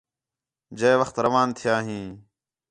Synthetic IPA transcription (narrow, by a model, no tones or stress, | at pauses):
d͡ʒeːʋəxt̪ɾəʋaːnt̪ʰɪjaːɦĩː